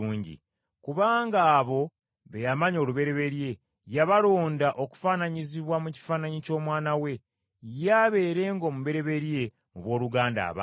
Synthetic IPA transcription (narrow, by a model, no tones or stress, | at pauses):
uːɲɟḭ | kuβaːŋɡaːβo̞ | βe̞jamaɲo̞ːluβe̞ɾe̞βe̞ɾje̞ | jaβaɾo̞ːndaʔo̞ku̥faːnaɲiziβwamuci̥faːnaɲico̞ːmwaːnawe̞ | jaβe̞ːɾe̞ːŋɡo̞muβe̞ɾe̞βe̞ɾje̞ | muβwo̞ːɾuɡaːnda̰ːβa̰